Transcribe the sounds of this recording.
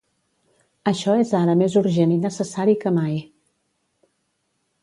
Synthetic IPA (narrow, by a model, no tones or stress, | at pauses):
əʃɔezaɾəmezuɾʒeninəsəsaɾikəmaj